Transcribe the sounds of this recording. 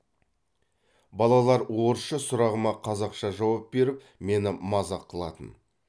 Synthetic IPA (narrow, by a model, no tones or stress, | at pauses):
bɑlˠɑlˠɑɾwo̞ɾəʃəsʊɾɑʁəmɑqʰɑzɑqʃɑʒɑwɑp̚be̞ɾɪp | me̞nɪmɑzɑqʰəlˠɑt̪ən